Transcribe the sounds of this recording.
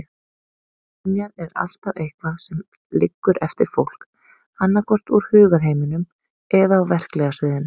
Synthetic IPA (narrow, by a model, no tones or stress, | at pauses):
njaɾɛɾa̰l̥t̪avejhkvaðsɛm | lɪkːʏɾɛft̪ɪɾ̥fowl̥k | anːakʰɔr̥t̪uɾ̥hʏːɣaɾ̥ɦeːjmɪnʏm | ɛðaːwvɛr̥klɛɣasvɪːðɪn